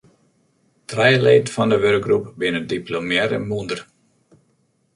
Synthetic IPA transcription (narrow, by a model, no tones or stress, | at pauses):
trɛjəleːtfɔndəʋørk̚ɡrupbɪnədiplomjɛɾə̰mundər